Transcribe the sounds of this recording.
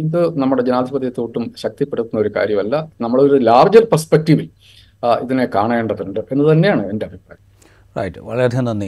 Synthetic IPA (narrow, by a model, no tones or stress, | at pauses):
d̪ɨnɐmːuɽe̞d͡ʑenaːd̪ʱibɐd̪jɐt̪ːuːʈːumɕɐk̚t̪ipːeɽut̪ːunːɐoɾuka̰ːɾjɐmɐlːɐnɐmːɐɭo̞ɾulaːʋɐd͡ʑɐrperspek̚tiʋil | iðinekaːɳeːɳɖɐðuɳɖɨʔe̞nːɐðɨt̪ɐnːe̞jaːɳɨe̞ndeɐbʱipra̰ːjɐ | rɐ̰jʈʋɐ̰ɭɐɐɾɐnɐnː